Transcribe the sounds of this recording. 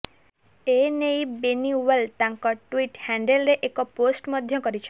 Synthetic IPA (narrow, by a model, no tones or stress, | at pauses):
enejbeniwelt̪aŋkɔʈwiʈhɛɳɖelɾeʔekɔposʈmɔd̪ʱjɔkɔɾit͡ʃʰɔ̥